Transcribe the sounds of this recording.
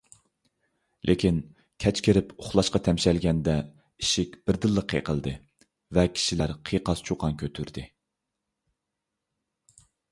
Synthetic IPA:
lʔekʲʰin | kʲʰɛt͡ʃkʲeɾɪpʰoχlˠɑʃqɑt̪ʰɛmʃɛlɡʲɛnd̪ɛ | iʃikʲb̥ɪɾd̪ɨlˠːəqʰːḛqʰəlˠd̪ɨ | vɛkʲʰi̥ʃilæɾqʰiqɑst͡ʃʰuqʰɑnkʲʰøt̪ʰyɾd̪ɪ

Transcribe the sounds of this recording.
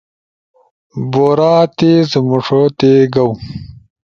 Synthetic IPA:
boːɾaːt̪ezəmuʂot̪eɡɐw

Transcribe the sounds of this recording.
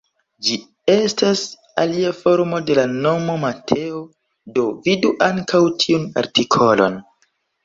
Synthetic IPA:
d͡ʒi | e̞stas | a̰liafo̞ɾmo̞de̞lano̞mo̞matʰe̞o | do̞viduʔaŋkʰawtʰiuna̰ɾtikʰo̞lo̞̰n

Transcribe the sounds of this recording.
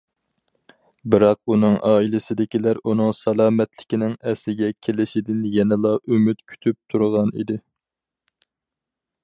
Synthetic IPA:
bɨɾɑq̚unɨŋʔɑːilɪsɪd̪ɪkʲilæɾunɨŋsɑlˠɑːmɛt̪lɪkʲinɪŋɛslɪɡʲɛkʲʰelɪʃid̪ɪnjɛnɛlˠɑʔymyt̪kʲʰy̥t̪ʰyp̚t̪ʰuɾʁɑnḭd̪ɪ

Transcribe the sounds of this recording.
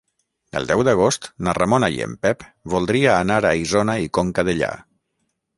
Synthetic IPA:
ə̰lˠd̪ɛwd̪əɣ̞ost̪naramonajḛmpɛpβulˠd̪ɾiaːnaɾaizonaikoŋkəðəʎa̰

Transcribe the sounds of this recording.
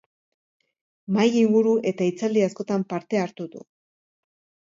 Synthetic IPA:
majiŋɡuɾuʔe̞t̪ait͡sald̪iasko̞t̪ampaɾt̪e̞aɾt̪uðṵ

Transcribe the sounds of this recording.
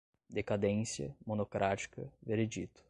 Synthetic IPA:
d̪ekad̪ẽsjɐ̰monokɾʔat͡ʃi̥kɐveɾed͡ʒit̪ʊ̥

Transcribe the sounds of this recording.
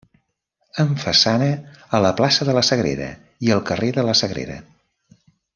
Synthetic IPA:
əɱfəsanəːləplasəðələsəɣɾḛɾə̰ | iəlˠkəreðələsəɣɾḛɾə̰

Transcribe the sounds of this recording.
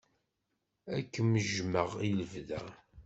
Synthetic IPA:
ækːəməʒməʁiləvðæ

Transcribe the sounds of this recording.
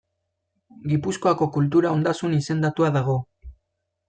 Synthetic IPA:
ɡipusko̞ako̞kult̪̬uɾao̞nd̪asunise̞nd̪at̪uaðaɣ̞o̞

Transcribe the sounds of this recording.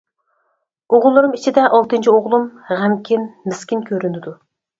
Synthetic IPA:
oʁʊlˠːɨɾɨmit͡ʃʰid̪ɛʔɑlˠt̪ɨnt͡ʃʰioʁlˠumʁæmkʲʰinmɪskʲinkʲʰøɾynɪd̪u

